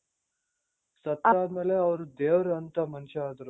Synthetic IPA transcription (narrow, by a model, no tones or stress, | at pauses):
sɐt̪aːd̪meːleɐʋɐɾud̪eːʋɾɐɐnt̪ɐmɐnʃɐaːd̪ɐɾu